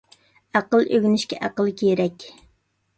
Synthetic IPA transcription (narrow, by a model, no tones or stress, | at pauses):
æqəlˠøɡʲnɪʃkʲɛ̰ʔæqəlˠkʲʰejɾɛkʲ